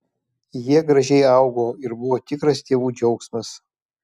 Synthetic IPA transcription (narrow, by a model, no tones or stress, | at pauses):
jiɛɡɾɐʒʲɛɪɐʊɡoːɪɾbʊʋoːt̪ʲɪkɾɐst̪ʲeːʋuːd͡ʒʲɛʊksmɐs